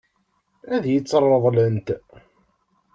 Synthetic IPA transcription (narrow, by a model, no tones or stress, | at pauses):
æðjət͡sːərˤːəðˤlənt̪